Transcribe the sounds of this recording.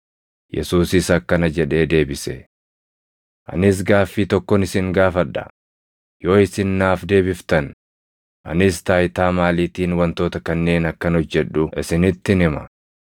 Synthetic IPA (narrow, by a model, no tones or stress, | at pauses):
jɛ̰suːsɪsɐkːɐnɐd͡ʒɛᶑe̞ːd̪e̞ːbɪsɛ | ʔɐ̰nɪs̬ɡaːfːiːt̪ɔkːɔnɪsɪŋɡaːfɐᶑːɐ̰ | jo̞ːɪsɪnːaːfd̪e̞ːbɪft̪ɐn | ʔɐ̰nɪst̪aːjt̪aːmaːliːt̪iːnwɐnt̪o̞ːt̪ɐkɐnːe̞ːnɐkːɐnɔd͡ʒːɛᶑʊɪsɪnɪt̪ːɪnɪmɐ̰